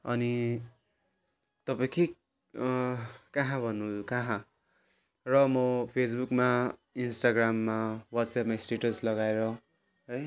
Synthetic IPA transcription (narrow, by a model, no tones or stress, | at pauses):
ʌni | t̪ʌpãki | kaɦãbʱʌnːukaɦã | rʌmʌpʰesbukmainsʈaɡramːawat̪sapmaisʈeʈʌslʌɡaeɾʌ | ɦʌj